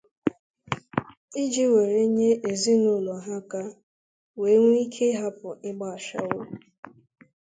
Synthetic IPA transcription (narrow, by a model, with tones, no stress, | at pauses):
i˦d͡ʒi˦we˨ɾe˦ɲe˦e˨zi˦nʊ˦˨lɔ˨ɦa˦ka˦ | we˨˦ŋʷu˦i˦kʰe˦ɦa˦pʊ˨ɪ˦ɡ͡ba˨a˨ʃa̰˨wʊ˦